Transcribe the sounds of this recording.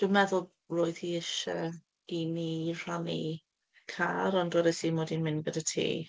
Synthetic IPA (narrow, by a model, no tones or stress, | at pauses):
d̥umɛðʊlˠ | roːɨðiɪʃɛ | inir̥ani | kʰaːɾɔndwɔɾəsimoːdinmɪnɡədətʰḭː